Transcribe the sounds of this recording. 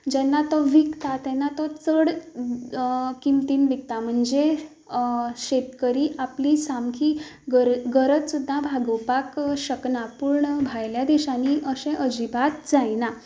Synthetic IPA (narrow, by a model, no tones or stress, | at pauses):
d͡ʑɛnːat̪ɔʋikt̪at̪ɛnːat̪ɔt͡səɽ | kimt̪inbik̚t̪am̤əɳd͡ze | ɕet̪kəɾiːʔaplisamkʰi | ɡəɾɡəɾət͡s̪sud̪ʱːãbʱaɡəpakɕəknapuɾɳəbʱajljad̪iɕaniʔəɕẽʔəd͡ʑibat̪d͡zajna